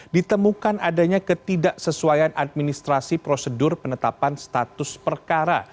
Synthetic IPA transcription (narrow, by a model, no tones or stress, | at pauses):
dit̪əmukanadaɲakət̪idaʔsəsuajanʔad̚minist̪ɾasipɾosədʊrpənət̪apanst̪at̪ʊspərkaɾa̰